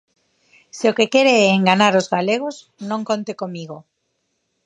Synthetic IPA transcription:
seokekeɾeɛːŋɡanaɾozɣaleɣ̞oz | nõŋkont̪ekomiɣ̞o

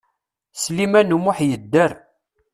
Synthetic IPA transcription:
slimænumʊħjəd̪ːəɾ

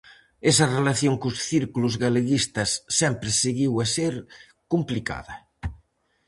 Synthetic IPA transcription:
esɐrelaθjoŋkusθiɾkuluzɣaleɣist̪ɐsːɛmpɾɪseɣiwaseɾ | kumplika̰ðɐ

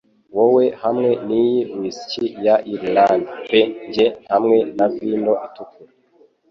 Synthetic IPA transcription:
wowe̞hamŋe̞nijiwisi̥cijaʔiɾlandpeɲɟehamŋe̞naviːndoʔitukuɾ

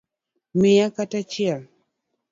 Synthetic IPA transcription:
mɪjakatat͡ʃɪɛl

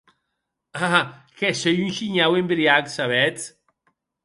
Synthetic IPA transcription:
a | kɛsejynʃiɲawembɾiaksaβɛt͡s

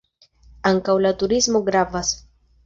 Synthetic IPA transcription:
aŋkawlat̪uɾizmo̞ɡɾavas

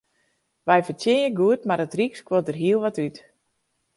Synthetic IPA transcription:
ʋɛjfərtjɪəɡuətmarətrikskwot̚dərɦiəlˠʋɔtyt

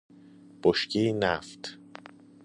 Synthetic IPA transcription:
b̥oʃcenæft̪

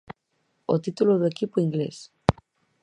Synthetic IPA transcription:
ot̪it̪uloðoekipoiŋɡlḛs

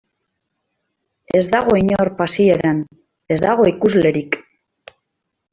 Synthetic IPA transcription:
e̞zd̪aɣ̞o̞iɲoɾpasieɾan | e̞zðd̪aɣ̞o̞ikuzle̞ɾik

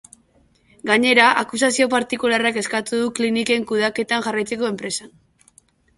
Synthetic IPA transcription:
ɡaɲe̞ɾaʔakusasio̞paɾt̪ikularake̞skat̪uðuklinike̞ŋkuðake̞t̪aŋxarajt͡se̞ko̞e̞mpɾe̞san

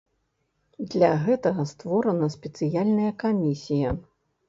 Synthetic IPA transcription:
d̪lʲaɣɛt̪ɐɣɐst̪vɔɾɐnɐsʲpʲɛt̪sɨjalʲnɐjɐkamʲisʲijɐ

